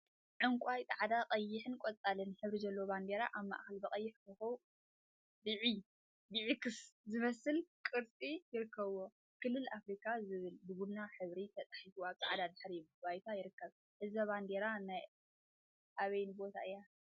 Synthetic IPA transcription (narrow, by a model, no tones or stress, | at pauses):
ʕɨŋkʷʼajt̪ʼaʕad̪aqʼɐjːɪħɨnkʷʼot͡sʼalɨnħɨβɾizɐlːooband̪e̞ɾaʔaβma̰ʔxɐlbɐkʼɐjːɪħkʰɨxu | bɨʕi | b̪ɨʕikʰɨszɨmɐsɨlkʼɨɾt͡sʼijɪɾɨkːɐβwo | kʰɨlːɨlʔafɾikʰʼazɨβɨlbɨbud̪naħɨβɾit̪ʰɐt͡s̪ʼḁħifuaβt̪ʼaʕad̪ad̪ɨħɾijmbajt̪ʰajɪɾɨkːɐβ | ʔɨzɐβand̪eɾanaj | ʔaβɐjnbo̞t̪ʰa̰ʔɨjːa